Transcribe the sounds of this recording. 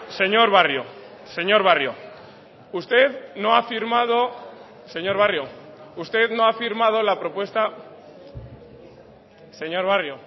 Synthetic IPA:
se̞ɲo̞ɾβarjo | se̞ɲo̞ɾβarjo | ust̪e̞ðno̞afiɾmað̞o̞ | se̞ɲo̞ɾβarjoust̪e̞ðnoafiɾmað̞o̞lapɾo̞pwe̞st̪a | se̞ɲo̞ɾβ̞arjo

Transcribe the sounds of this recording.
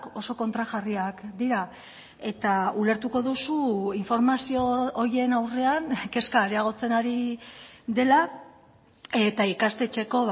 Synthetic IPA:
ko̞so̞ko̞nt̪ɾaʝariakd̪iɾa | e̞t̪aule̞ɾt̪uko̞ðusuiɱfo̞ɾmasio̞ːɾje̞nawre̞aŋke̞skaːɾeaɣ̞o̞t͡se̞naɾi | ðe̞la | e̞t̪aikast̪e̞t͡ʃe̞ko̞β

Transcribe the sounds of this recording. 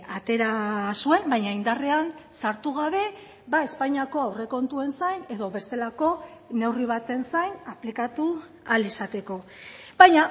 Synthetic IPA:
at̪e̞ɾasue̞mbajɲaind̪are̞ansaɾt̪uɣ̞aβe̞ | bae̞spaɲiako̞awre̞ko̞nt̪ue̞nsajne̞ðo̞βe̞st̪e̞lako̞ne̞wriβ̞at̪e̞nsajnaplikat̪u | alesat̪e̞ko̞βajɲa

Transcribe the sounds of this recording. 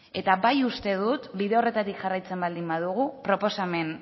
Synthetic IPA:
e̞t̪aβajust̪e̞ð̞ut̪biðe̞o̞re̞t̪at̪ikʝarajt͡se̞mbald̪imbað̞uɣupɾo̞po̞same̞n

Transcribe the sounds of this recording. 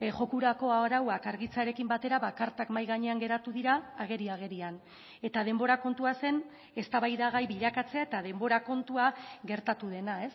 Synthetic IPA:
ʝo̞kuɾako̞aɾawakaɾɣit͡saɾe̞kimbat̪e̞ɾaβakaɾt̪akmajɣaɲe̞aŋɡe̞ɾat̪uðiɾaːɣ̞e̞ɾiaɣ̞e̞ɾian | e̞t̪að̞e̞mbo̞ɾako̞nt̪uase̞n | e̞st̪aβajðaɣ̞ajβiʎakat͡se̞ae̞t̪að̞e̞mbo̞ɾako̞nt̪uaɣe̞ɾt̪at̪uð̞e̞nae̞s

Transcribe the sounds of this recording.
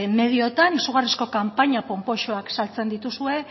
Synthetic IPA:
me̞ð̞io̞t̪anisuɣ̞arisko̞kampaɲapo̞mpo̞ʃoaksalt͡se̞nd̪it̪usue̞

